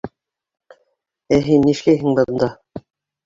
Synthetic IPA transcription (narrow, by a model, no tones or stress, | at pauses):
æɦinːiʃlæjɦɘŋbɤ̆ðɤ̆nd̪ɑ